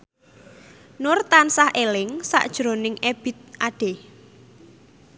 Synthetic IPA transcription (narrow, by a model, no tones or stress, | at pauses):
nʊrt̪ansahʔelɪŋsa̰ʔd̥ʒ̥ɾo̤nɪŋeb̥ɪ̤t̪̚ʔaɖ̥e